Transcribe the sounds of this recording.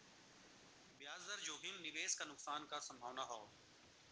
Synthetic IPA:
bjaːzəɾd͡ʒoːɦɪmnɪʋeːskanʊksaːnkasɐ̃mbʱaːʋnaɦoː

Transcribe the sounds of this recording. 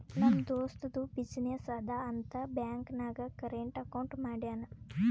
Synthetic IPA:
nɐmɐd̪oːst̪ɐd̪ubid͡ʒnesɐd̪ʱaɐnt̪ɐbjaːŋknaːɡɐkɐɾeɳʈɐkɐwɳʈmaːɽjaːnɐ

